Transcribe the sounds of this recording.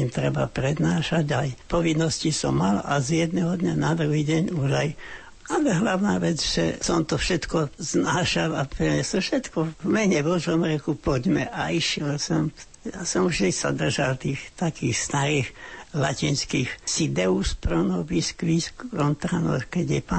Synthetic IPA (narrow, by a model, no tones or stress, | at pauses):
imt̪ɾɛbapɾɛd̪naːʃaɟajpɔʋinːɔscisɔmːala̰zjɛd̪nɛɦɔd̪ɲanad̪ɾuɦiːɟɛɲuʒaj | alɛɦlaʊnaːʋɛd͡zʒɛ̰sɔmt̪ɔfʃɛt̪kɔznaːʃalapɾɛɲɛsɔfʃɛt̪kɔvmɛɲɛbɔʒɔmɾɛkupɔɟmɛ̰ʔaiʃɪɛlsɔm | jaːsɔmuʒd̪isa̰d̪r̩ʒalt̪iːxt̪akiːxst̪aɾiːxlacinskiːxsid̪ɛuspɾɔnɔbiskʋiskɾɔnt̪ɾanɔ̰xkɛɟjɛpa